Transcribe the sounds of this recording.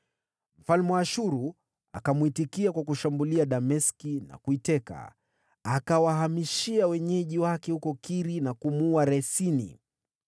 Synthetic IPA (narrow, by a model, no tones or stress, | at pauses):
m̩falmwaʃuɾu | a̰kamuitikiakwakuʃambuliaɗamɛskina̰kuitɛka̰ | akawaɦamiʃiawɛɲɛʄiwakɛhukɔkiɾinakumuaɾɛsinḭ